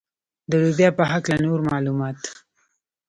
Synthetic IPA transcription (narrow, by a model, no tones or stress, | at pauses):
d̪əlubjɑpəɦaklanoɾmɑlumɑt̪